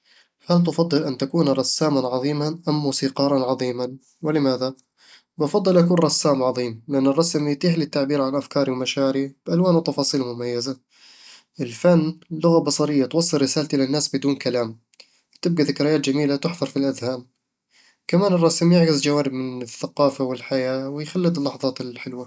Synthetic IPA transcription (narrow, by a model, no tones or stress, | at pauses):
falt̪̬ʊfɑd̪ˤːɨlʔant̪akuːnɾˤɑsːaːmanʕɑðˤiːmaʔamːuːsiːqɑːɾˤɑnʕɑðˤiːman | wɪlɪmaːða | bɑfɑd̪ˤːɨlʔakuːnɾˤɑsːaːmʕɑðˤiːmlɪʔanːɨrˤːɑsmjt̪iːħlɪt̪ːaʕbiːɾʕanʔafkɑːɾiwmaʃaːɾib̥ʔalwaːnwt̪ɑfɑːsˤiːlmʊmajːaza | ʔɪlfanːlʊɣabɑsˤɑɾɪjːat̪wɑsˤːɨlɾːɪsaːlt̪ʔɪlanːaːsbɪd̪uːnkalaːm | t̪ɪb̚ɡaðɪkɾɪjaːt̪d͡ʒamiːlat̪ɪħðɑɾˤfilʔaðhaːm | kamaːnɨrˤːɑsmjɪʕɡɪzd͡ʒawaːɾɪbmɪnɪθːaqɑːfawɪlħajaːwɪjxalːɪd̪ˤɪlːɑħðˤɑːt̪ɪlħɪlwa